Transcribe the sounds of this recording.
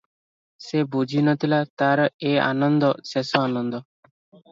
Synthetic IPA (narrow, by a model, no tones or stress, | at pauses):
sebud͡ʒʱinɔt̪ʰilat̪aɾea̰nɔnd̪ɔsesɔanɔnd̪ɔ